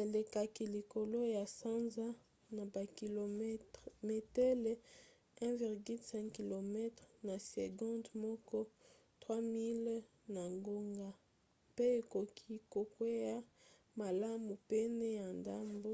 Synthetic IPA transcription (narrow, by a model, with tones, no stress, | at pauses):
e˨le˨ka˨ki˨li˨ko˨lo˦ja˨sa˦nza˦ | na˨ba˨klo˨˦tme˨tɛ˦le˨˦ | ɛ̃˦vi˨ʁɡy˦lsɛ̃˦ki˨lo˨mɛ˦tʁna˨sḛ˨ɡɔ̃˦ndmɔ˦kɔ˦ | twa˦mi˦l | na˨ŋɡo˦ŋɡa˦ | pe˦e˨ko˨kʰi˦ko˨kwe˦ja˦ | ma˨la˦mu˨pe˦nɛ˦ja˨nda˦mbo˦